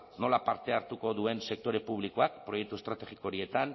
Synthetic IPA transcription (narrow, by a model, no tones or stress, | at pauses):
no̞lapaɾt̪e̞aɾt̪uko̞ðue̞nse̞k̚t̪o̞ɾe̞puβ̞liko̞ak̚pɾo̞je̞k̚t̪uest̪ɾat̪e̞ɣikoɾie̞t̪an